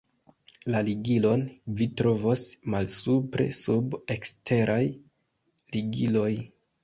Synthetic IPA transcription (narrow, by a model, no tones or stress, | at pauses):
laliɡilo̞nvitɾo̞vosmalsupɾe̞̰sube̞kstʰe̞ɾʔaj | liɡilo̞j